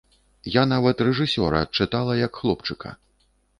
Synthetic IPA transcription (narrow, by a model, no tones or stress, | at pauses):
janavɐt̪rɛʐɨsʲɔ̰ɾɐ̰ːt̪̚t͡ʂɨt̪alˠɐjɐkxlˠɔpt͡ʂɨkɐ̰